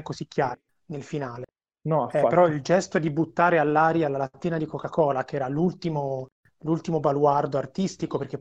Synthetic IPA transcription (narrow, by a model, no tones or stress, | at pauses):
kːoszikːjaːɾ | nelfinaːle | nɔɛpeɾɔild͡ʒɛst̪oɛd̪ibut̪ːaːɾealːaːɾjalːalat̪ːiːnad̪ikokakɔːlakeɛːɾalult̪imo | lult̪imobalward̪oart̪ist̪ikoperk̟e